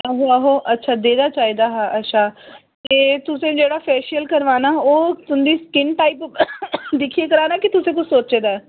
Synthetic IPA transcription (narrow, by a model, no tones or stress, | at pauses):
ɦoaːɦoːʔətːʃʰaːd̪eːd̪aːt͡ʃaːɦiːd̪aːɦaːʔətːʃʰaː | t̪eːt̪ʊsẽːd͡ʒeːɽaːpʰɛːʃiəlkəɾʋaːnaːoːt̪ʊnd̪iːskɪnʈaːip | d̪ɪkʰieːkəɾaːnaːkɪt̪ʊsẽːk̬ʊt͡ʃʰsoːt͡ʃeːd̪aːɛː